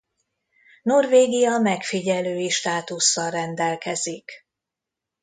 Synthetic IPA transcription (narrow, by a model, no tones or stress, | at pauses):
no̞rveːɡijɒmɛkfiɟɛløːjiʃt̪aːt̪usːɒlrɛnd̪ɛlkɛzik